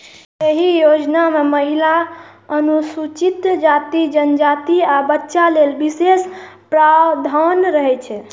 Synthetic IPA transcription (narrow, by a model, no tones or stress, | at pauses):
jeɦijod͡ʒnameməɦila | ənusut͡ʃit̪d͡ʒat̪id͡ʒənd͡ʒat̪iabətːʃalelbises | pɾawd̪ʱənɾəɦɛt͡ʃʰɛ